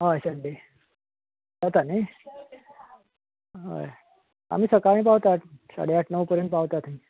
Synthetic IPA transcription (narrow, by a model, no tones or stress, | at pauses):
ɦajsəɳɖe | sat̪ane | ɦə̰j | a̰m̤iːsəkãĩpaʋt̪at̪sa̰ɽ̤eaʈʰnəʋpəɾeɳʈpaʋt̪at̪ɦĩ